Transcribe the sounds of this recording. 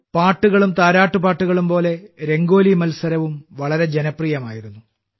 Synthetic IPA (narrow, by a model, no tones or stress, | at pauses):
paːʈːuɣɐɭumt̪aːɾaːʈːupaːʈːuɣɐɭumpo̞ːle̞ɾe̞ŋɡo̞ːlimɐlsɐɾɐʋumʋɐɭɐɾe̞d͡ʑenɐpriːjɐma̰ːjiɾunːu